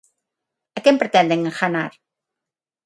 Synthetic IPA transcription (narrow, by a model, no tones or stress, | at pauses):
ɐkempɾet̪ɛ̃nd̪eŋexanaɾ